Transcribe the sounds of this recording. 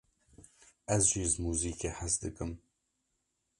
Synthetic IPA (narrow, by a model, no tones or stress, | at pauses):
ɛzʒiːʒmuːziːkeːħasd̪ɨkɨm